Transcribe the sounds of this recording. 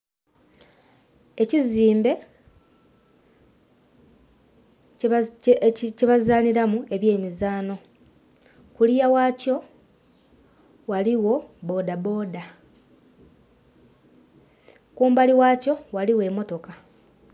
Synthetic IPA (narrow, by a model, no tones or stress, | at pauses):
e̞ciziːmbe̞ | ceβazaːniɾamue̞βje̞ːmizaːno̞ | kulijawaːco̞ | waliwo̞bo̞ːdabo̞ːda | kuːmbaliwaːco̞waliwe̞ːmo̞to̞ka